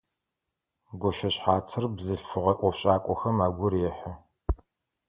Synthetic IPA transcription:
ɡʷɔʃɐɕħaːt͡sʰɨrbzɨɬfɨʁɐʔʷɔfɕʼaːkʷʼɔxɐmaːɡʷʊrjɛħɐ

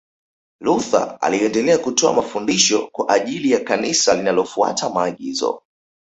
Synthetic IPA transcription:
luθa̰a̰liɛndɛlɛakutɔa̰mafundiʃɔkwaʔaʄilijakanisalinalɔfua̰tamaːɠizɔ̰

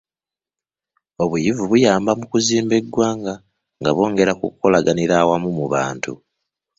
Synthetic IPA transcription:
o̞βujivuβujaːmbamukuziːmbe̞ɡwaːŋɡa | ŋɡaβo̞ːŋɡe̞ɾakṵkːo̞laɡaniɾaːwamumuβa̰ːntʰṵ

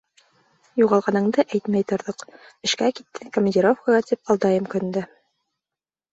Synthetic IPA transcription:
juʁɑlˠʁɑnɤ̆ɴd̪ɤʔæjt̪mæjt̪ŏɾðɤq | ɘ̆ʃkæki̥t̪ːɘkomʲənʲdʲiɾofkɑʁɑt̪ipɑlˠd̪ɑjɤmkɵ̆nd̪ɘ

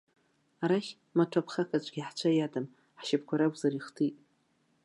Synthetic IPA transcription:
aɾaχʲ | matʰapʰχakʰat͡ɕʷʼɡʲiħt͡ʃʷʰajadam | ħʃɪp̚ʰkʷʰaɾakʷʼzaɾiχtʰitʼ

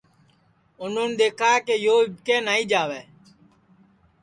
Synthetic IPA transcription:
ʊnʊnɗ̪eːkʰaːkeːjoːɪbkẽːnaːiːd͡ʒaːʋeː

